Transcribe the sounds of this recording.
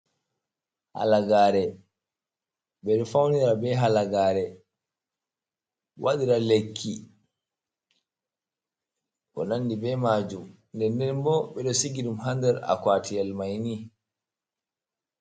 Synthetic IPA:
ha̰laɡaːɾɛ | ɓɛɗɔfawniɾabɛɦalaɡaːɾɛ | wʔaɗiɾalekʰːi | kɔ̰nandibɛmad͡ʒum | ndɛndɛnbɔɓɛɗɔsiɡiɗumɦandɛɾa̰kwaːtʰijɛlmajni

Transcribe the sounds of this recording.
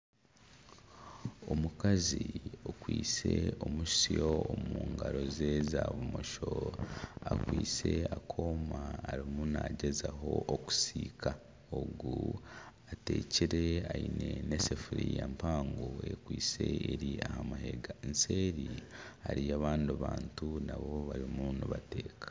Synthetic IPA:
omukaziokwiːt͡se̞omuʃsijoomuːŋɡaɾo̞ze̞zaβumo̞ʃo̞ | akwiːt͡se̞akʰo̞ːmaːɾimunaɟe̞zaɦo̞ʔoku̥siːkʰa | oɡu | ate̞ːciɾe̞aine̞nesefuɾijampaːŋɡoe̞kwiːse̞eɾiahamaɦeɡanse̞ːɾihaɾijaβaːndaβaːntunaβo̞βaɾimunuβate̞ːkḁ

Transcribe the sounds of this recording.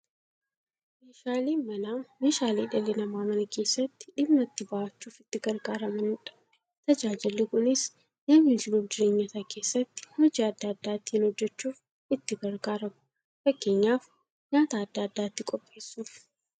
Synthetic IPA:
meːʃaːliːmɐnaːmeːʃaːliːᶑɐlːɛnɐmaːmɐnɐke̞ːsːɐt̪ːɪ̥ᶑɪmːɐt̪ːɪbaʔɐt͡ʃːuːfɪt̪ːɪɡɐɾɡaːɾɐmɐnɪnᶑɐ̥bɛ̥ | t̪ɐd͡ʒaːd͡ʒɪlːɪkʊnɪs | nɐmhɪnd͡ʒɪluːfd͡ʒɪɾe̞ːɲːɐt̪ɐke̞ːsːɐt̪ːɪ̥hɔd͡ʒiːɐd̪ːaːɐd̪ːaːt̪ːɪɪnhɔd͡ʒːɛt͡ʃːuːf | ɪt̪ːɪɡɐɾɡaːɾɐmʊ̥ | fɐkːe̞ːɲːaːf | ɲaːt̪aːd̪ːaːd̪ːaːt̪ːɪkʼɔpʼːe̞ːsːuːf

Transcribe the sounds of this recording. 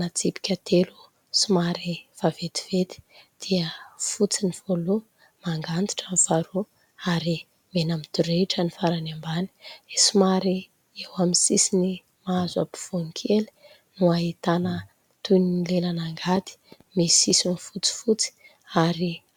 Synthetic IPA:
nat͡sipi̥kʲat̪ʰelu̥ | simaɾiv̥avet̪i̥v̥et̪i̥d̪̥iəfut͡siniv̥olu | maŋɡant̪i̥ʈ͡ʂamv̥aɾu | aɾi | menamid̪̥uɾeʈ͡ʂənifaɾanambani̥esimaɾi | ewamisisini | maaza̰bi̥v̥oŋikʰeli̥ | nuaɦit̪anə | t̪unilelanaŋɡat̪i̥ | mesisinifut͡si̥fut͡si̥ | aɾi

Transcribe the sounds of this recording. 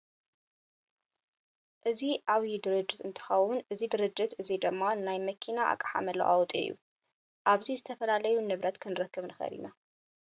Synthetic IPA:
ʔɨziʔaβid̪ɨɾɨd͡ʒːɨt̪ɨnt̪ʰɨ̥xɐwʊnʔɨzid̪ɨɾɨd͡ʒːɨt̪ɨzid̪ɨmːanajmɐkʰinaʔa̰kʼːaħa̰mɐlɐ̰ʔa̰wt̪ʼḭjːṵ | ʔaβzizɨt̪ʰɐfɐlalɐjunɨβɾɐt̪kʰɨnɨɾɐkʰːɨβnɨxɐ̰ɾḭna

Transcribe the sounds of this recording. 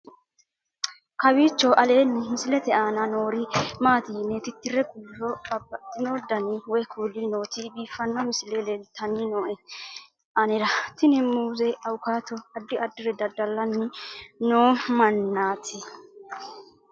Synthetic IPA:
kɐwiːt͡ʃːɔʔɐleːnːɛmɪsɪlɛt̪ɛʔanɐnoːɾɪmaːt̪iːnːɛt̪ɪt̪ːɪrɛkuːhɔbɐbːɐt̪ːɪnod̪ɐnɪwɔjkʰuːlɪno̞ːt̪ibiːfːɐnːɔmɪsɪlɛlɛlt̪ʰːɐnɪnoːʔɛ | ʔɐnɛɾɐt̪ɪnɪmuːzɛɐwʊkaːt̪ɔɐd̪ːɪʔɐd̪ːɪɾɛd̪ɐd̪ɐlːɐnːɪnoːmɐnːaːt̪ʰɪ

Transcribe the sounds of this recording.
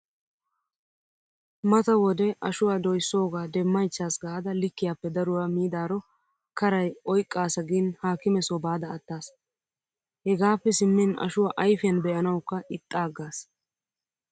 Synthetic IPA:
mɐt̪ɐwɔd̪ɛʔɐʃʊwaːd̪ɔjsːo̞ːɡaːd̪ɛmːɐjt͡ʃːaːsɡaːd̪ɐlɪkːɪjaːpːɛd̪ɐɾʊwaːmiːd̪aːɾɔ | kɐɾɐjɔjkʼːaːsɐɡinhaːkɪmɛsɔbaːd̪ɐːt̪ːaːs | hɛɡaːpːɛsɪmːɪnɐ̰ʃʊwaːʔɐjfɪjɐnbɛʔɐnɐwkːɐʔɪt̪ʼːaːɡːaːs

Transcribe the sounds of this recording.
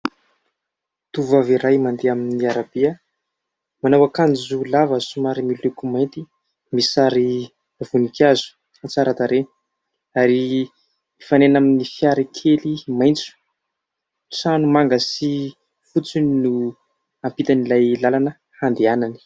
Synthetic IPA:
t̪uvaviɾajmand̪eaminniaɾabiə | manawakanizulavəsumaɾimilukumajnt̪i | misaɾi | av̥unikazu̥ | at͡saɾat̪aɾe | aɾi | ifanenaminifjaɾikʰelimajnt͡su̥ | t͡sanumaŋɡəsi | fut͡suninu | ampit̪anilajlalanə | hand̪eanani̥

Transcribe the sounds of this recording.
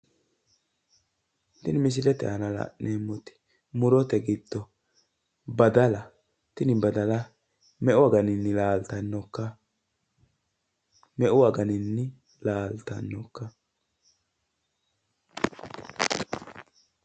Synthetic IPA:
t̪ɪnmɪs̬ɪlɛt̪ɛ̰hɐnɐla̰ʔnemːɔt̪ɪ̥ | mʊɾɔt̪ɛɡɪd̪̥ːɔ | bɐd̪ɐlɐ | t̪ɪnɪbɐd̪ɐlɐ | mɛʔʊwaɡɐnɪnːɪlaːlt̪ɐnːɔkːɐ | mɛʔʊwaɡɐnɪnːɪ | laːlt̪ɐ̰nːɔkːɐ

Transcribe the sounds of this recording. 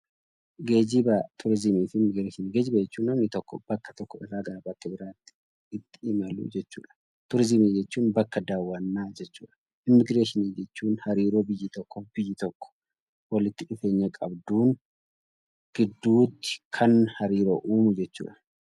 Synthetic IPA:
ɡe̞ːd͡ʒɪbɐt̪ʰʊɾɪzɪmiːfɪmːɪɡɾeːʃɪniːɡeːd͡ʒɪbɐɛt͡ʃːuːnːɐmnɪt̪ɔkːɔ̰b̥ɐkːɐ̥t̪ɔkːɔɪraːɡɐɾɐbɐkːɐbɪɾaːt̪ːɪ̥ | ɪt̪ːɪ̥ɪmɐlṵːd͡ʒɛt͡ʃːṵːᶑɐ̥ | t̪ʊɾɪzɪmiːd͡ʒɛt͡ʃːuːnbɐkːɐd̪aːwːɐnːaːd͡ʒɛt͡ʃːṵːᶑɐ̥ | ʔɪmːɪɡɾeːʃɪniːd͡ʒɛt͡ʃːuːnhɐɾiːɾoːbɪjːɪt̪ɔkːɔb̥ɪjːɪt̪ɔkːɔ̥ | wɐlɪt̪ːɪɪfe̞ːɲːɐkʼɐbd̪uːn | ɡ̥ɪd̪ːuːt̪ːɪ̥kʰɐnhɐɾiːɾo̰ːʔuːmʊd͡ʒɛt͡ʃːṵːᶑɐ̥

